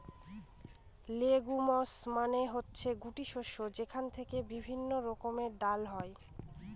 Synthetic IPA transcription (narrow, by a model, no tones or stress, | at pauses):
leɡumɔsmaneɦotːɕʰeɡuʈiʃoʃod͡ʑekʰant̪ʰekebibʱinːoɾɔkomeɖalɦɔe